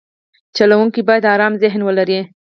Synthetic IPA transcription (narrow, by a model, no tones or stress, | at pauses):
t͡ʃalawuŋkibɑjad̪ɑɾɑmzɪɦnwəlaɾi